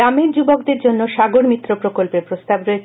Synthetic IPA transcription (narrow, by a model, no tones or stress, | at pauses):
ameɾd͡ʑubokd̪eɾd͡ʑonːoʃaɡoɾmit̪ːɾopɾokolpeɾpɾost̪abɾɔe